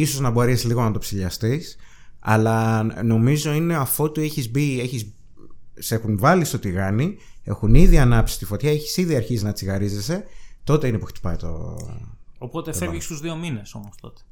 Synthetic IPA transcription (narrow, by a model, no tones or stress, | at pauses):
iso̞znɐbo̞ɾesliɣo̞nɐt̪o̞psiʎɐst̪is | ɐ̰lɐno̞mizo̞ine̞ɐfo̞t̪ieçizbie̞çiz | se̞xunvɐlist̪o̞t̪iɣɐni | e̞̰xuniðiɐnɐpsist̪ifo̞t̪çɐeçi̥siðiɐɾçizinɐt͡siɣɐɾize̞se̞t̪o̞t̪einepuxt̪i̥pɐjt̪o̰ | opo̞t̪efevʝist̪uzðio̞mine̞so̞most̪o̞t̪e̥